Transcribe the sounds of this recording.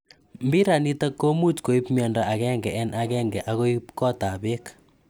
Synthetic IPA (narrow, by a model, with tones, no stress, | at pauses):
mbi˦ɾa˨ni˦ta˦kːo˦mu˦tko˨i˦pmjɔ˨ndɔa˨kɛ˦ŋɡɛ˨ʔɛ˦nʔa˦kɛ˦ŋɡɛ˨ʔa˦ko˦ipkɔ˦ta˨be˦k